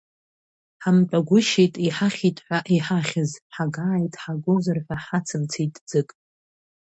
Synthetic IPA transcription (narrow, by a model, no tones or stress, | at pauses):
ħamt͡pʼaɡʷʊʃijtʼiħaχʲitʼħʷᶣaʔiħaχʲɪzħaɡaːjtʼħaɡozɨrħʷᶣaħat͡sʰɨmt͡sʰijtʼd͡zɨkʼ